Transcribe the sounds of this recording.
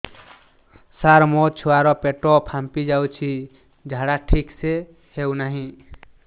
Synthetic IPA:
saɾmot͡ʃʰuaɾɔpeʈopʰampid͡ʒawt͡ʃʰi | d͡ʒʱaɽaʈʰikse | hewnaɦĩ

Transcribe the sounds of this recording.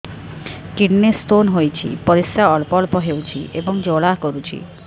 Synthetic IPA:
kiɖnest̪onɦojt͡ɕʰḭpɔɾisːaɔlpɔlpɔɦewt͡ɕʰḭʔeboŋd͡ʑolakoɾut͡ɕʰḭ

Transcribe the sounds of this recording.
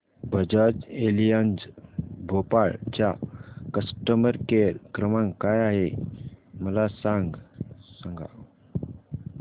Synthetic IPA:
bʱəd͡ʑəd͡ʑelijand͡zbʱopaɭt͡ɕjakəsʈəməɾkeɾkɾəmãŋkajaɦe | məlasãŋɡsəŋɡʱa̰

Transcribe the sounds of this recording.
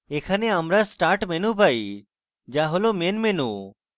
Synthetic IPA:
ekʰaneamɾasʈaːɾʈmenupai | d͡ʒaɦolomenmenṵ

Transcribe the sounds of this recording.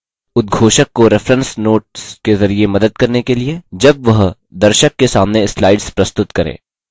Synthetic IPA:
ʊt̪̚ɡʱoːʃəkːoɾɪfɾə̃nsnoːʈskezɐɾiemɐd̪əd̪̚kɐɾnekelied͡ʒɐb̚ʋɐɦ | d̪ɐɾʃəkːesaːmneɪslaːɪɖspɾɐst̪ʊt̪kɐɾḛ̃ː

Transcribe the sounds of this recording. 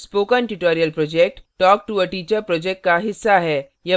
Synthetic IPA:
spoːkənʈuʈoːɾijəlpɾɔd͡ʒek̚ʈʈɔːk̚ʈuəʈiːt͡ʃəɾpɾɔːd͡ʒek̚ʈ̚kaɦɪsːaɦɛː | jɐ

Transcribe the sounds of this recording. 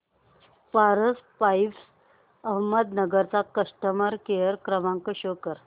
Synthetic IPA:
paɾəspajps | əɦməd̪nəɡəɾt͡sakəʂʈəməɾkejəɾkɾəmaŋkəɕokəɾ

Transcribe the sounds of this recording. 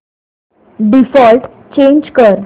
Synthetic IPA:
ɖifɔlʈ | t͡ɕẽɲd͡ʑkəɾ

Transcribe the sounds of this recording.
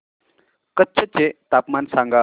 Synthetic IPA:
kətːt͡ɕʰət͡ɕet̪apmansãŋɡa

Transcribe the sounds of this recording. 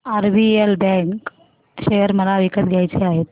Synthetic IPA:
aɾbielbɛ̃ŋk | ɕejəɾməlaʋikət̪ɡʱjajt͡ɕeaɦet̪̚

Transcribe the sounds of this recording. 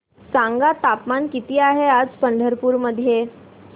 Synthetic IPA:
sãŋɡat̪apmankit̪iːaɦead͡zpəɳɖʱəɾpuːɾməd̪ʱːje

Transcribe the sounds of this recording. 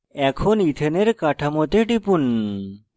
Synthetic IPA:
ɛkʰonit̪ʰeneɾkaʈʰɐmot̪eʈipun

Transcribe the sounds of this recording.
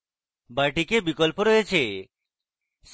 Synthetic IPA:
baɾʈikebikolpoɾɔjet͡ɕʰe | ʃ

